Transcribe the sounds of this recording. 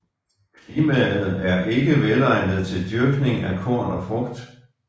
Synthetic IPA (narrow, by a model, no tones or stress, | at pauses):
kʰliːmæð̩ˠæɐʔe̝ɡ̥əʋelɑ̈ɪnəð̞̩ˠt͡sʰe̝ld̥jyɐɡ̥ne̝ŋækʰɔɐ̰nɒfʁɔ̽ɡ̥d̥